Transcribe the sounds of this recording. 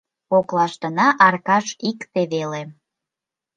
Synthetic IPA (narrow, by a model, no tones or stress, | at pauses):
oklɑʃt̪ənɑʔɑrkɑʃikt̪eβele